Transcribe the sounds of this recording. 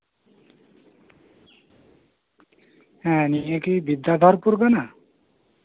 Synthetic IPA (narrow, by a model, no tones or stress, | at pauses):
ɛ̃nijekibid̪ːad̪ʱɔɾpuɾɡana